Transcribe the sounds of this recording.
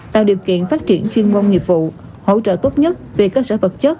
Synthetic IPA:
t̪a̰ː˧˨wɗi˨˩əwkḭ˧˨ənfaː˦˥t̚t͡ɕi˧˩ənt͡ɕwi˧ənmo˧ŋ͡mɲi˨˩əp̚vṵ˧˨ | ho̰˧˥t͡ɕə̰ː˧˨t̪o˦˥t̚ɲə˦˥t̚ve˨˩kəː˧səː˧˩˦və˨˩t̚t͡ɕə˦˥t̚

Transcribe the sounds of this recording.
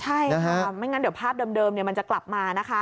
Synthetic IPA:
t͡ɕʰa˥˩ja˧ɦʰa˦˥˩ma˥˩jŋa˦˥di˩˦wpʰaː˥˩p̚dɤː˧mdɤː˧mni˨˩əma˧nt͡ɕa˨˩kla˨˩p̚maː˧na˦˥kʰa˦˥

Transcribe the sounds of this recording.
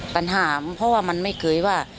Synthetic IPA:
pa˨˧nɦaː˩˦pʰɔ˧˥waː˥˩ma˧nma˥˩jkʰɤː˧jwaː˥˩

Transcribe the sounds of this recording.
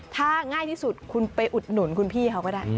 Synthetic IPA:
t̪ʰaː˥˩ŋaː˥˩jt̪ʰiː˥˩su˨˩t̪̚kʰu˧npa˧jʔu˨˩t̪̚nu˩˦nkʰu˧npʰiː˥˩kʰa˧˩wkɔː˥˩daː˥˩

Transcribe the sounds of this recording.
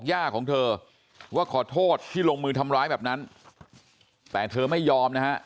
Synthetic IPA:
k̚jaː˥˩kʰːɔː˩˦ŋt̪ʰɤː˧ | waː˥˩kʰɔː˨˩˦t̪ʰoː˥˩t̪ʰːiː˥˩loː˧ŋmɯː˧t̪ʰa˧mɾaː˦˥jbɛː˨˩na˦˥n | t̪ɛː˨˩t̪ʰɤː˧ma˥˩jːɔː˧mna˦˥ha˦˥ʔ

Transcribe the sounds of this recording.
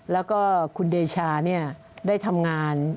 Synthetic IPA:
lɛː˦˥wkɔː˥˩kʰu˧ndeː˧t͡ɕʰaː˧ni˥˩ɐ | daː˥˩jt̪ʰa˧mŋaː˧n

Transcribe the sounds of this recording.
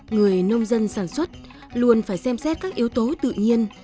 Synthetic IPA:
ŋɨ˨˩əjnə˧wŋ͡mzə˧nsaː˧˩nswə˦˥t̚ | lu˧ənfaː˧˩jsɛ˧msɛ˦˥t̚kaː˦˥k̚ʔi˨˦əwt̪o˨˦t̪ɨ̰˧˨ɲi˧ən

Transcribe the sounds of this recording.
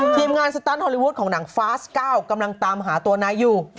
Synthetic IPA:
t̪ʰiː˨˩mŋaː˧nsa˧t̪aː˦˥nhɔ˧li˧wuː˦˥t̪̚kʰɔː˩˦ŋnaː˩˦ŋfaː˦˥skaː˥˩wka˧mla˧ŋt̪aː˧mɦaː˩˦t̪u˧ɐnaː˧jːuː˨˩

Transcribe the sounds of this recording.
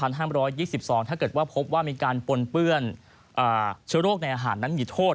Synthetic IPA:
pʰa˧nɦaː˥˩mɾɔː˦˥jːiː˥˩si˨˩p̚sɔː˩˦ŋt̪ʰaː˥˩kɤː˨˩t̪̚waː˥˩pʰo˦˥p̚waː˥˩miː˧kaː˧npo˧npɯ˥˩ən | ʔɤː˨˩t͡ɕʰɯ˦˥ɾoː˥˩k̚na˧jʔaː˧ɦaː˩˦nːa˦˥nmiː˧t̪ʰoː˥˩t̪̚

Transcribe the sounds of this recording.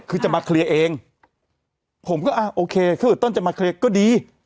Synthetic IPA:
kʰɯː˧t͡ɕa˨˩maː˧kʰli˧ɐʔeː˧ŋ | pʰo˩˦mkɔː˥˩ʔa˧˩ʔoː˧kʰeː˧kʰaː˧˥˩ʔːt̪o˥˩nt͡ɕa˨˩maː˧kʰli˧ɐkɔː˥˩diː˧

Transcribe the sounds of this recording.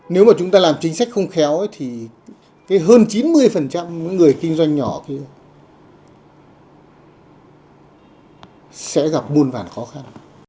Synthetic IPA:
ne˨˦wmaː˨˩t͡ɕʊ˨˦ŋ͡mt̪aː˧laː˨˩mt͡ɕï˨˦ŋ̟sa˦˥k̚xə˧wŋ͡mxɛ˨˦wjt̪ʰi˨˩ | kaː˨˦jɦəː˧nt͡ɕi˨˦nmɨ˧əjfə˨˩nt͡ɕa˧mmə̰˧˥ŋɨ˨˩əjkï˧ŋ̟zwa˧jŋ̟ɲɔ˧˩ki˧ə | sɛ̰˧˥ɣa˨˩p̚mu˧ənva̰ː˧˩nxɔ˨˦xa˧n

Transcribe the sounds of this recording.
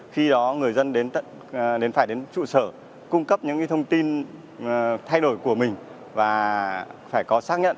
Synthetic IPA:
xi˧ɗɔ˨˦ŋɨ˨˩əjzə˧nɗe˨˦nt̪ə̰˧˨n | ɗe˨˦nfaː˧˩jɗe˨˦nt͡ɕṵ˧˨səː˧˩ | kʊ˧ŋ͡mkə˦˥p̚ɲɨ̰˧˥ŋ˧˦t̪ʰə˧wŋ͡mt̪i˧n | t̪ʰa˧jɗo˧˩jku˧˩əmï˨˩ŋ̟ | vaː˨˩faː˧˩jkɔ˨˦saː˦˥ɲə̰˧˨ʔ

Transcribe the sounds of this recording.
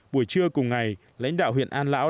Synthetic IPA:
ɓu˧˩əjt͡ɕɨ˧əkʊ˨˩ŋ͡mŋa˨˩j | la̰˧˥ŋ̟ɗa̰ː˧˨wɦḭ˧˨ənʔaː˧nla̰ː˧˥w

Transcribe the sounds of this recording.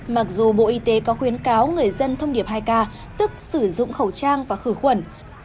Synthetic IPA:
ma˨˩k̚zu˨˩ɓo̰˧˨ʔi˧t̪e˨˦kɔ˨˦xwi˨˦ənkaː˨˦wŋɨ˨˩əjzə˧nt̪ʰə˧wŋ͡mɗi˧˩əp̚ɦaː˧jkaː˧ | t̪ɨ˦˥k̚sɨ˧˩zʊ̰˧˨ŋ͡mxə˧˩wt͡ɕaː˧ŋvaː˨˩xɨ˧˩xwə˧˩n

